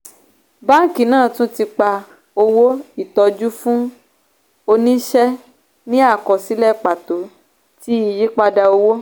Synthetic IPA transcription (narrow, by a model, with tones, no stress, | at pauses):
ba˦ŋ̩˨ki˨nãː˦˨tũ˦ti˧k͡pa˧ | o˧wo˦i˦˨tɔ˧d͡ʒu˦fũ˦ | o˧nĩ˦ʃɛ˦ | nĩ˦a˦˨kɔ˨si˨˦lɛ˦˨k͡pa˨to˨˦ | ti˦i˨ji˦k͡pa˧da˧o˧wo˦